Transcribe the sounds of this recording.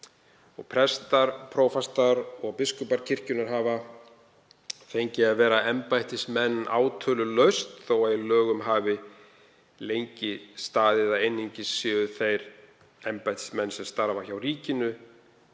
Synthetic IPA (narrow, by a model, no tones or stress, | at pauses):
ɔɣpʰɾɛst̪aɾ̥pʰɾowfast̪aɾɔɣpɪskʏpaɾ̥cʰɪr̥cʏnaɾ̥ɦaːva | θejɲcɪavɛːɾaɛmpajt̪ɪsmɛnːa̰ːwt̪ʰœːlʏlœɥst̪θowajlœːɣʏmɦaːvɪ | lejɲcɪst̪aːðɪðaðejnːiɲcɪsʏːʏθejɾ | ɛmpajt̪ɪ̥smɛnːsɛmst̪aɾvaçawɾiːcɪnʏ